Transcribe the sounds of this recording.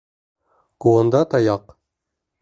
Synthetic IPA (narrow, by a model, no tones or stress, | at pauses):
ɡ̥oond̪ɑt̪ʰɑjɑq